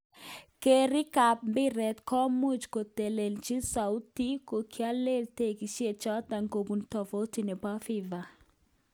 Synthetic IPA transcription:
keɾi˦ka˨p̚mbɪ˦ɾɛ˨t̪kɔ˦mu˦d͡ʒko˨te˨le˨nt͡ʃi˦sa˨wti˦ko˨kʰja˦le˦lte˦˨ki˨ʃe˨t͡ʃɔ˦t̪a˨ŋɡo˨bu˨ntɔ˨fo˦ti˦˨nɛ˨pa˦fiva˨

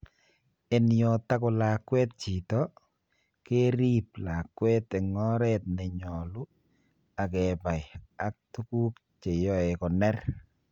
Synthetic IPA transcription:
e˨nijɔ˨ta˦kʊ˨la˨kwɛ˦t̚t͡ʃi˨tɔ˦ | ke˦ɾi˦p̚la˨kːwɛ˦t̪ɛ˨ŋɔ˦ɾɛ˦t̪̚nɛ˨ɲɔ˨lʊ˦ | a˨kɛ˨ba˨ja˦k̚tu˦ku˦p | t͡ʃe˨jɔ˦e˨kɔ˨nɛ˦r

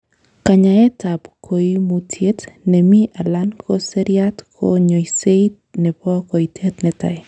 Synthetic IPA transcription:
ka˨ɲa˨ɛ˦ta˨pkʰo˨imu˨tʰje˦tne˨mi˦ʔa˨la˦nko˦se˦ɾijatkʰo̰ɲo˨ise˦it̚ | nɛ˨pɔ˦ko˨itʰe˦tnɛta̰˨j

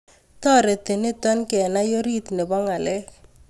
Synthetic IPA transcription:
t̪ɔ˦ɾe˨t̪ɪ˨nɪ˦t̪ɔ˦nkɛ˨na˦jo˦ɾi˦t̪ne˨bɔ˦ŋa˨lɛ˦

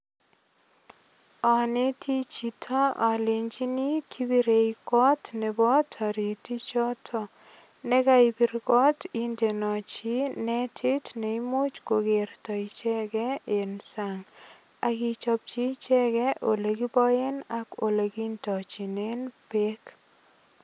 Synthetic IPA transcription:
ɔ˨ne˦tʰi˦t͡ʃi˨tʰɔ˦ʔa˨le˨ɲt͡ʃi˦ni˦kʰi˦bi˨ɾe˨ikɔ˦tne˨bɔ˦tʰa˨ɾi˨ti˦t͡ʃɔ˦tʰɔ˦ | ne˦ka˦i˨bi˦ɾkɔ˦ti˦nte˨nɔ˨t͡ʃi˦nɛ˦tʰi˦tne˨i˦mo˦t͡ʃko˨ke˨rtɔ˨i˨t͡ʃɛ˦kɛ˦e˨nsa˨ŋ | a˨ki˦t͡ʃɔ˨p̚t͡ʃi˦t͡ʃɛ˦kɛ˦ʔo˨le˨ki˦bɔ˦je˦na˨ko˨le˨ki˦ntɔ˨t͡ʃi˨ne˦npe˦k

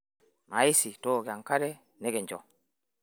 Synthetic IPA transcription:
ma˨i˦si˨to˦˨ɡe˨a˨ŋka˦ɾɛ˦ | nɛ˦ɡe˨ɲd͡ʒɔ˨

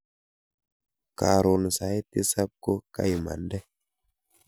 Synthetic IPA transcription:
ka˨ɾo˨n˨sa˨˦t̪i˦sa˦p̚ko˦ka̰˦jma̰˨ndɛ˦

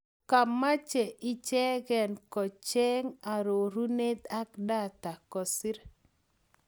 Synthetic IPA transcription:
ka˨ma˦t͡ʃɛ˨ʔɪ˦t͡ʃɛ˦ɡɛ˨nkɔ˨t͡ʃɛ˦ŋa˨ɾo˨ɾu˦ne˦t̪a˦k̚da˦˨t̪a˨kɔ˨si˦ɾ

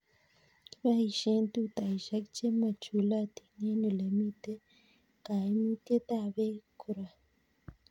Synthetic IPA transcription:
βa˦i˨ʃe˦nt̪u˦t̪a˨iʃa˦kt͡ʃe˦ma˨t͡ʃu˨la˦t̪i̥ne˦nu˨le˨mi˦t̪e˦ | ka˨i˦mi˦t̪e˦t̪a˦˨βe˦kʰu˨ɾa˨

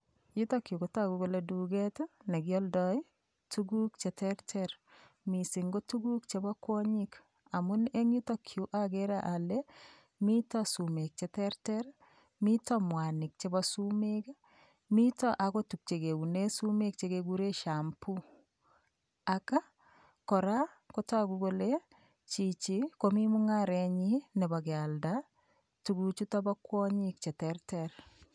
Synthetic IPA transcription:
ji˦tɔ˦kju˨ko˨ta˦ku˨ko˨ledu˨ɡe˦ta˦ne˨ɡjɔ˦ldɔ˦i˦ | tu˦ɡu˦k̚t͡ʃe˨tɛɾtʰɛɾ | mi˨sɪ˨ŋɡo˦tu˦ɡu˦k̚t͡ʃe˨bɔ˦kwɔ˦ɲi˦k | a˨mʊ˦ne˦ŋji˦tɔ˦kʰju˨ʔaɡeɾa˨ʔa˨lɛ˦ | mi˦tɔ˦su˨me˨k̚t͡ʃe˨tɛ˦ɾtɛɾ | mi˦tɔ˦mwa˨nɪ˨k̚t͡ʃe˦bɔsu˦meka | mi˦tɔ˦ʔa˨ko˦tu˨k̚t͡ʃe˨ke˨u˨ne˦su˦me˦k̚t͡ʃe˨keɡu˦ɾe˦ʃa˨mpu˦ | aka˦ | kɔ˨ɾa˦ | ko˦ta˦ku˦ɡo˦le˦ | t͡ʃi˨t͡ʃi˨ko˦mi˦mu˦ŋaɾɛ˨ɲi˦nɛ˨ba˨ɡe˨a˨lda | tu˨ɡu˨t͡ʃu˦tɔ˦bɔ˦kwɔ˦ɲik̚t͡ʃe˨tɛ˨rtɛr

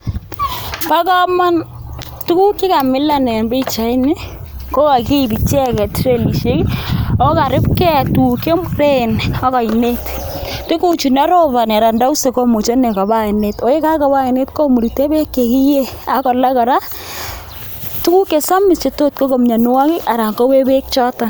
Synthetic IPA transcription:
pa˦kɔ˦ma˦n | tu˦ku˦kɪ˦ka˨mɪ˦la˦nɛ˨mbe˦i˦t͡ʃa˨˦i˦nɪ˦ | ko˦ka˨ki˦˨bi˨t͡ʃɛ˦kɛ˨tɾe˦li˨ʃe˦kɔ˦ka˨ɾɪ˦pkɛ˦˨tu˨ke˦mre˦˨nɔ˦ka˨ɪ˨ne˦t | te˦ku˨t͡ʃu˨na˦ɾo˦βa˨n˨a˨ɾa˨nda˦u˦se˨ko˦mo˨t͡ʃe˦ne˨ka˨ba˦e˨ne˦to˦e˦ka˦ka˨˦ba˦e˨ne˦tko˦mu˨ɾi˨te˦be˦kːe˨ki˦je˦a˨kɔ˨la˦kɔ˨ɾa˦ | tu˦ku˦ke˨sa˦mɪ˨st͡ʃe˨to˦tko˦ko˨mɲa˨n˦wa˦kɪ˦ʔa˨ɾa˨ŋko˦we˦be˦k̚t͡ʃɔ˦ta˨

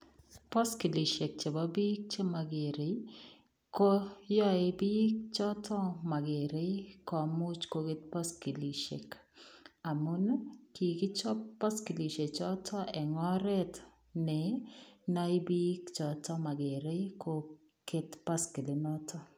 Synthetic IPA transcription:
pɔ˦ski˨li˨ʃe˨k̚t͡ʃe˨ba˦bi˦k̚t͡ʃe˦ma˨ɡe˨ɾe˨ | ko˦jɔ˦ɪ˨bi˦k̚t͡ʃɔ˦tʰɔ˦ma˨ɡe˨ɾe˦kɔ˨mu˦t͡ʃko˦ke˦t̪̚pɔ˦ski˨li˨ʃḛ˨k | a˨mo˦no˦ki˨ɡɪ˦t͡ʃɔ˦pa˦ski˨li˨ʃe˨t͡ʃɔ˦tʰɔ˦ʔɛ˨ŋɔ˦ɾɛ˦t̪ | nɛ˨nɔ˦ɪ˦bi˦kt͡ʃɔ˨tɔ˦ma˨ɡe˨ɾe˦ko˦ | ke˦t̪pa˦ski˨li˨nɔ˦tʰɔ˦

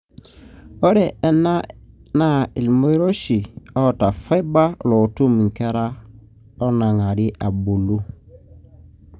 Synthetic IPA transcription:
ɔ˦ɾɛ˨ɛ˦na˦na˦˨i˨lmo˦i˦ɾo˦ʃi˨ɔ˦˨ta˨fa˦ba˦lɔ˨tu˦m˨ŋ̩˨kɛ˦ɾa˦ | ɔ˦na˨ŋa˨ɾi˦ʔa˨bo˨lo˦

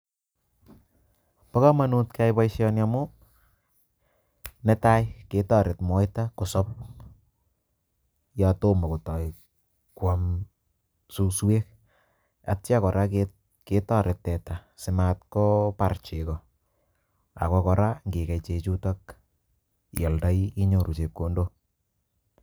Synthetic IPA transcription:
pɔ˦kɔ˦ma˦nu˦tka˦jpɔ˦jʃjɔnjamʊ˦ | nɛ˦ta˦jke˨tɔ˦˨ɾɪ˨tmɔ˨˦jta˦ko˨sɔ˦p̚ | jɔ˨to˦ma˨ko˨tɔ˨j | kwa˨m | su˦swe˦k̚ | a˨tt͡ʃa˦kɔ˨ɾʔa˦ke | ke˨tɔ˦ɾɪ˨tːɛ˨ta˨sɪ˨mat̚kɔ˦pa˨rt͡ʃɪ˨kɔ˨ | a̰˨kɔ˦kɔ˨ɾa˦ŋɡe˨kɛ˨t͡ʃe˨t͡ʃu˦ta˦k | jɔ˨lda˦iɪ˦ɲo˨ɾu˨t͡ʃe˨p̚ko˨ndo˦

